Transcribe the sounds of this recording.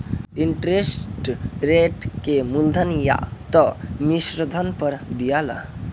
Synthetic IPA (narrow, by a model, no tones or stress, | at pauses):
iɳʈɾesʈɾeʈkemuld̪ʱənja̰t̪ɔmisɾəd̪ʱənpəɾd̪ijala̰